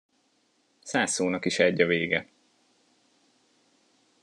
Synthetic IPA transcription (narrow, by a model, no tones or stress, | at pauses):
saːsoːnɒkiʃɛɟːɒveːɡɛ